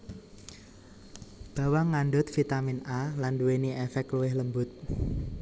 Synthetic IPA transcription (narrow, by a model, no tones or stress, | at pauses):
b̥a̤waŋanɖʊt̪̚fit̪aminalanduweniʔɛfɛkluwɪhləmbʊt̪̚